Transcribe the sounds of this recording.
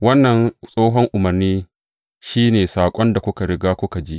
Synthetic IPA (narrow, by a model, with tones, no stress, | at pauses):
wɐ˦nːɐ˨nsʼoː˦ɦɔ˦ŋʔʊ˨mɐ˨rniː˦ | ʃiː˦neː˨saː˨kʷʼɔ˦nda˨kʷʊ˦ka˨ɾɪ˦ɡaː˦kʷʊ˦ka˨d͡ʒi˦ʔ